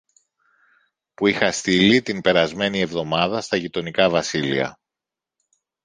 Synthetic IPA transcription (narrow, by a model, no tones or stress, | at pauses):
puixɐst̪ilit̪inpe̞ɾɐzme̞nie̞vðo̞mɐðɐst̪ɐʝit̪o̞nikɐvɐsilḭɐ̰